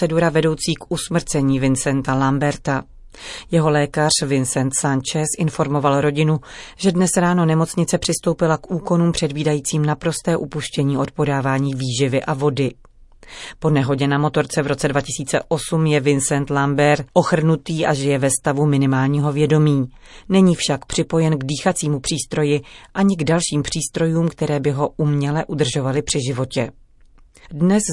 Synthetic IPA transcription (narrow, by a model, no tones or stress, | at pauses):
ɛduɾavɛdo̞wt͡siːkʔusmr̩t͡sɛɲiːvɪnsɛnt̪alambɛɾt̪a | jɛɦo̞lɛːkar̝̥vɪnsɛnt̪sant͡ʃɛsʔɪnfo̞ɾmo̞valɾo̞ɟɪnuʒ̥ɛdnɛsɾaːno̞nɛmo̞t͡sɲɪt͡sɛpr̝̥ɪst̪o̞wpɪlakʔuːko̞nuːmpr̝̥ɛdviːdajiːt͡siːmnapɾo̞st̪ɛːʔupuʃcɛɲiːʔo̞t̪po̞daːvaːɲiːviːʒɪvɪʔavo̞dɪ | po̞nɛɦo̞ɟɛnamo̞t̪o̞ɾt͡sɛvɾo̞t͡sɛdvacɪsiːt͡sɛʔo̞sumjɛvɪnsɛnt̪lambɛɾʔo̞xr̩nut̪iːʔaʒɛjɛvɛst̪avumɪnɪmaːlɲiːɦo̞vjɛdo̞miː | nɛɲiːfʃakpr̝̥ɪpo̞jɛnɡdiːxat͡siːmupr̥iːst̪ɾo̞jɪʔaɲɪɡdalʃiːmpr̝̥iːst̪ɾo̞juːmkt̪ɛɾɛːbɪɦo̞ʔumɲɛlɛʔudr̩ʒo̞valɪpr̝̥ɪʒɪvo̞cɛ | dnɛs